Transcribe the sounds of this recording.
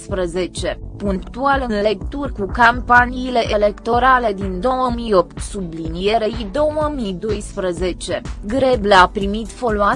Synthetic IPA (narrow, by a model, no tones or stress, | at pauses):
spɾəze̞t͡ʃe̞puŋkt̪ualɨnle̞k̚t̪urʲkukampaniːle̞ʔele̞kt̪o̞ɾale̞d̪ind̪o̞wəmijo̞pt̪sublinijeɾeid̪o̞wəmijd̪o̞jspɾəze̞t͡ʃe̞ɡɾe̞blapɾimit̪fo̞loa